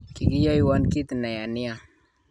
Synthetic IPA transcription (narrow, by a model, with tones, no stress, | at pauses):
ki˨ɡi˦ja˦ji˨wa˦nki˦t̪na˨ja˨ni˦ja˨